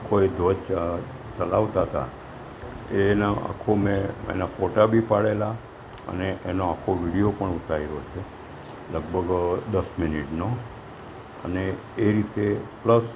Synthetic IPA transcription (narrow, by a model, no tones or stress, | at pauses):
akʰoed̪ʱod͡ʒt͡ʃ | t͡ʃəlaʋt̪aɦt̪a̰ | enaa̰kʰomẽḛnafoʈabʱipaɽela | ə̰neʔenoakʰoʋiɽijopəɳut̪aiɾot͡ʃʰe | ləɡ̚bʱəɡd̪əsminiʈno | ə̰neː | ɾit̪epləs